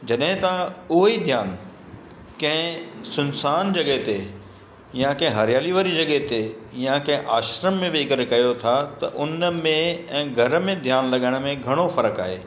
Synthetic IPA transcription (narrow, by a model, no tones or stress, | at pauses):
d͡ʑɐɗɦɪ̃t̪aʊɦid̪ʱjaːn | kɐ̃ɦɪ̃sʊnsaːnd͡ʑɐɠəɦt̪e | jãkɐ̃ɦɪ̃ɦɐɾɪjaːliʋəɾid͡ʑɐɠɛɦt̪ejãkɐ̃ɦɪ̃ʔaːʃɾəmːẽʋeːkəɾkɐjot̪ʰat̪ɐ̰ʔʊnmẽɛ̃ːɡʱɐɾmẽd̪ʱjaːnlɐɠəɽ̃ə̆mẽɡʱɐɽ̃ofɐɾəka̰ːɦḛː